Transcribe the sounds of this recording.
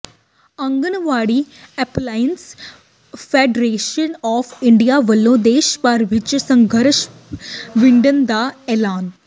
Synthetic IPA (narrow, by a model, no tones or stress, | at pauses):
ɐ̃ŋɡənʋaːɽi | ɛplaːjəns | feːɖɾeːʃənɔːfɪɳɖijaʋəlːõːd̪eːʃpəɾʋɪt͡ʃsɐ̃ŋɡʱəɾʃ | ʋɪɳɖənd̪aɛːlaːn